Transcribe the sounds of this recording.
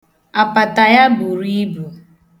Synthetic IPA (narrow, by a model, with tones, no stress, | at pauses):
a˨pa˨ta˨ja˦bu˨ɾi˦bu˨